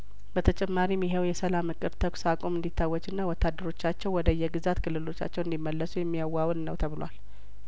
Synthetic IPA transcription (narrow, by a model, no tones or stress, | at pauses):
bət̪ʰət͡ʃʼɛmːaɾimːiɦewjɛsəlamɨkʼːɨɾt̪ʰəkʷsakʼomɨnd̪it̪ʰːawːɔt͡ʃʼɨnːawɔt̪ʰːad̪ːəɾo̞t͡ʃːat͡ʃːɛwwɔd̪əjɛɡɨzat̪kʰɨlːɨlo̞t͡ʃːa̰t͡ʃːɛwɨnd̪imːəlːəsujɛmːijawːawnːəwt̪ʰəβɨlwa̰l